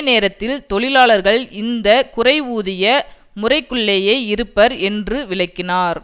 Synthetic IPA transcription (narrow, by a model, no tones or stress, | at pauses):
neːɾɐt̪ːɪlt̪ɔɭɪlaːɭɐɾɣɐɭɪnd̪ɐkʊrɐɪʋuːðɪjɐ | mʊrɐɪkːɯɭːeːjɐɪɪɾɯpːɐɾɛndrɯʋɪɭɐɪkːɪnaːɾ